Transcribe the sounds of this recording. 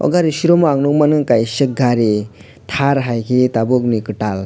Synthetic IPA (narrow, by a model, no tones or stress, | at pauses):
ɔ̰ɡaɾisiɾomaŋnuŋmanɯŋkajsɯk̚ɡaɾe | t̪ʰaɾɦajkʰetabok̚nikɯʈal